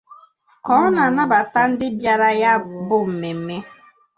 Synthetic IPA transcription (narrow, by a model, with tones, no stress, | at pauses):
kɔː˨˦na˨na˦ba˨ta˦n̩˦dɪ˦bja˦ɾa˦ja˦bʊ˦m̩˨me˨m̩˦me˦